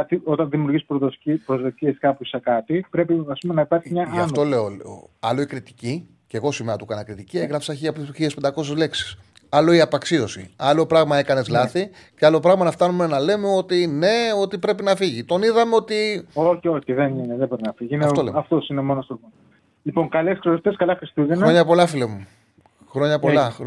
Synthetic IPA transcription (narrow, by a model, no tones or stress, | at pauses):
ɐt̪io̞t̪ɐnðimjuɾʝispooipɾozðot̪ieskɐpusɐkɐt̪ipɾe̞piɐspumenɐipɐɾçimɲɐɐɐnfnot̪ole̞oleo̰ɐlo̞ikɾit̪i̥ci | ceɣo̞simeɐt̪ukɐnɐkɾit̪icieɣɾɐfsɐçiɐpot̪ist̪uçiespend̪ɐko̞s̬ezle̞ksi̥s | ɐlo̞iɐpɐksio̞sḭɐlo̞pɾɐɣmɐe̞kɐne̞zlɐθi | ceɐlo̞pɾɐɣmɐnɐft̪ɐnume̞nɐle̞meo̞t̪ine̞o̞t̪ipɾe̞pinɐfiʝit̪o̞niðɐmeo̞t̪io̞çio̞çiðenineðebo̞ɾinɐfiʝiineɐolemɐft̪osinemo̞nost̪omon | lipoŋkɐleskɾeot̪eskɐlɐxɾist̪uʝexnɐoɲɐpo̞lɐfilemu | xɾo̞ɲɐpolɐ